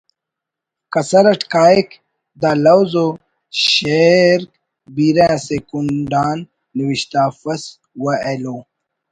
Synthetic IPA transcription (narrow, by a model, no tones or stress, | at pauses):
kɐsɐɾɐʈkaːik | d̪alɐwzo | ɕeɾk̚ | biɾẽːsekuɳɖaːnː | iwiɕt̪aːfɐs | wɐeloː